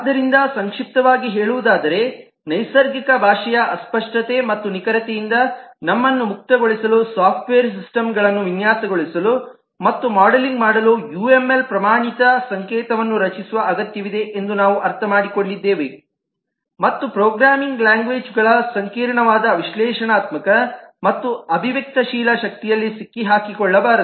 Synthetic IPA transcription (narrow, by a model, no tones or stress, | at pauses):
ad̪ːɐɾind̪ɐsɐŋkʂip̚t̪ɐʋaːɡiɦeːɭuʋud̪aːd̪ɐɾe̞ | nɐjsɐɾɡikɐbʱaːʂɐjɐʔɐspɐʂʈɐt̪e̞mɐt̪ːunikɐɾɐt̪ejind̪ɐnɐmːɐnːumuk̚t̪ɐɡoɭisɐlusaːp̚ʰʈʋeːɐɾs̬isʈɐmɡɐɭɐnːuʋinjaːsɐɡoɭisɐlu | mɐt̪ːumaːɽɐliŋɡmaːɽɐlujue̞mːe̞lpɾɐmaːɳit̪ɐsɐŋkɛːt̪ɐʋɐnːuɾɐt͡ʃisuʋɐʔɐɡɐt̪jɐʋid̪e̞ʔend̪unaːʋuʔɐɾt̪ʰɐmaːɽikoɭːid̪ːeːʋe | mɐt̪ːupɾoːɡɾaːmiŋɡlaːŋɡʋeːd͡ʒɡɐɭɐsɐŋkiːɾɐɳɐʋaːd̪ɐʋiʃlɛːʃɐɳaːt̪mɐkɐmɐt̪ːuɐbʱiʋjek̚t̪ɐʃiːlɐʃɐk̚t̪ijɐlːisikːiɦaːkikɔɭːɐbaːɾɐ